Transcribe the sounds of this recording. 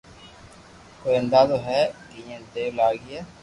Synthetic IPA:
koːẽnd̪aːt̪oːɦɛːkɪjẽːd̪eːʋlaːɡɪɛː

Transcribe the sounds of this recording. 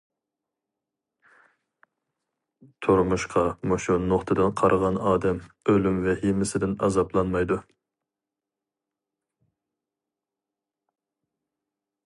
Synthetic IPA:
t̪ʰoɾmuʃqʰɑmoʃunoχt̪ʰɨd̪ɨnqʰɑɾʁɑnɑːd̪ɛm | ølymvɛhimɪsɪd̪ɪnɑ̰zɑplˠɑnmɑjd̪u

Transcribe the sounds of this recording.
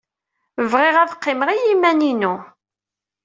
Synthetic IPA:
vʁeʁæðəqːɪməʁijimæninu

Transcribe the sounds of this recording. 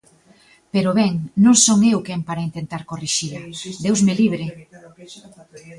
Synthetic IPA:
peɾʊβɛŋnõŋsoŋeʊkɛmpaɾaint̪ent̪aɾkoriʃilad̪ewzmeliβɾɪ

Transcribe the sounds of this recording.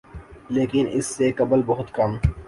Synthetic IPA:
leːkɪnɪ̰sːekɐbəlbɐɦʊt̪kɐm

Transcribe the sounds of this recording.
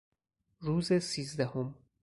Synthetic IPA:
ɾuːzesiːzd̪æho̞m

